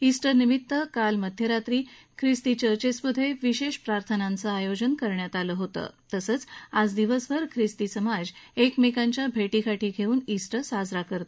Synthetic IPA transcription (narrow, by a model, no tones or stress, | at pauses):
isʈəɾnimit̪ːəkalməd̪ʱjəɾat̪ɾiː | kʰɾist̪it͡ɕəɾt͡ɕesbud̪ʱːeʋiɕeɕpɾaɾt̪ʰənant͡səajod͡ʑənkəɾɳjat̪aləɦot̪ə̰ːt̪əsəːt͡sad͡zd̪iʋəsbəɾkʰɾist̪isəmad͡ʑekmikaɲt͡ɕjabʱeʈikʰaʈʰiːɡʱeuːnisʈəsad͡zɾakəɾt̪o